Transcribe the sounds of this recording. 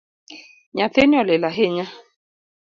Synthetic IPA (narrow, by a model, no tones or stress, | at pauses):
ɲafeniɔlelaɦeɲa